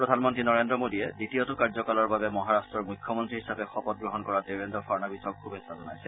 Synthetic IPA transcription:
pɹɔd̪ʱanmɔntɹinɔɹendɹɔmodiɛditijɔtʊkaɹzɔkalɔɹbabɛmɔɦaɹastɹɔɹmujkʰːjɔmɔntɹihɦisabɛxɔpɔt̚ɡɹɔɦɔnkɔɹateɹendɔfʰaɹnabisɔkkubesazɔna̰jsɛ

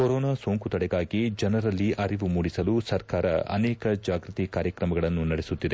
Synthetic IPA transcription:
koɾɔːnaːsoːŋkut̪ɐɽɛɡaːɡid͡ʒɐnɐɾɐlːiʔɐɾiʋumuːɽisɐlusɐɾkaːɾɐɐ̰nɛːkɐd͡ʒaːɡɾɨt̪ikaːɾjɐkɾɐmɐɡɐɭɐnːunɐɽesut̪ːid̪e

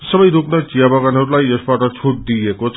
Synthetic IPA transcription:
sʌbʌjd̪ʱuknʌt͡ʃijabʱʌɡanɦʌɾulajʌsbaʈʌt͡sʰuʈ̚d̪ijekot͡sʰ

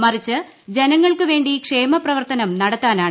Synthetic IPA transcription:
mɐrit͡ɕːɨ | d͡ʑe̞nɐŋːɐɭkɨʋe̞ːɳɖikʂe̞ːmɐprɐʋɐrt̪ɐnɐmnɐɽɐt̪ːaːnaːɳ

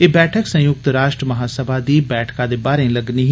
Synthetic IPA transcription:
eːbɛːʈʰəksə̃jʊk̚t̪ɾaːʃʈɾəməɦaːsəbʱaːd̪iːbɛːʈʰkãːd̪eːbaːɾẽːləɡniːɦ

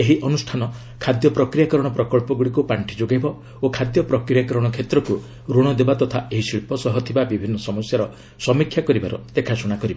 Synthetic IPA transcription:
eɦiʔɔnusʈʰanɔ | kʰad̪jɔpɾɔkɾijakɔɾɔɽ̃ɔpɾɔkɔɭpɔɡuɽikupaɳʈʰid͡ʒoɡajbɔ | okʰad̪jɔpɾɔkɾijakɔɾɔɽ̃ɔkʰet̪ɾɔku | ɾoɽ̃ɔd̪ebat̪ɔt̪ʰaeɦisiɭpɔsɔɦɔt̪ʰibabibʱinːɔsɔmɔsjaɾɔ | sɔmikʰːjakɔɾibaɾɔ̰d̪ekʰasuɽ̃akɔɾibɔ

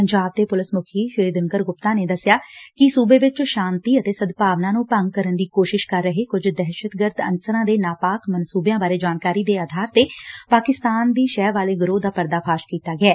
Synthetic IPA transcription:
pəɲd͡ʒaːb̚t̪eːpʊlɪsmʊkʰiːʃɪɾiːd̪əŋɡəɾɡʊpt̪ãːneːd̪əsjaːkɪsuːbeːʋɪt͡ʃʃaːnt̪iːət̪eːsəd̪paːʋnãːnũːpəŋɡ̚kəɾənd̪iːkoːʃɪʃkəɾːəɦeːkʊd͡ʒd̪ɛːʃət̪ɡəɾd̪ənsəɾãːd̪eːnaːpaːkmənsuːbjãːbaːɾeːd͡ʒaːnkaːɾiːd̪eːaːd̪ʱaːɾt̪eːpaːkɪst̪aːnd̪iːʃɛːʋaːleːɡəɾoːd̪aːpəɾd̪aːpʰaːʃkiːt̪aːɡɪɛː

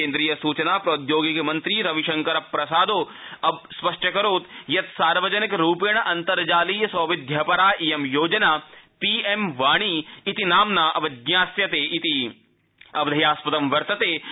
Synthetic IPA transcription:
ẽːnd̪ɾiːjɐsuːt͡ʃɐnaːpɾɐːt̪joːɡikmɐ̃nt̪ɾiːɾɐʋiʃɐ̃ŋkɐɾɐpːɾɐsaːd̪oː | ɐbspɐʂʈɐkɐɾoːt̪jɐt̪saːɾʋɐd͡ʒɐnikɾuːpeɳ̃ʔɐnt̪ɐɾd͡ʒaːliːjɐsɐːʋɪd̪ʱjɐpɐɾaːʔijɐmjoːd͡ʒɐnaːpiːemʋaːɳ̃iːit̪inaːmnaːʔɐʋɐd̪ɲjaːsjɐt̪eːʔit̪i | ɐʋd̪ʱɐjaːspɐt̪ɐmʋɐɾt̪ɐt̪eː

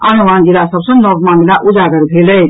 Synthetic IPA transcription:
anumand͡ʒilasəbsə̃nɔɡmamilaʔud͡ʒaɡəɾbʱelə

